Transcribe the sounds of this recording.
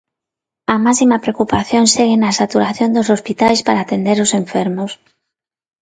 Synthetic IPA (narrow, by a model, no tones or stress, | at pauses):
amasimapɾeokupaθjõnseɣenasat̪uɾaθjond̪osospit̪ajspaɾaːt̪end̪eɾoseɱfeɾmos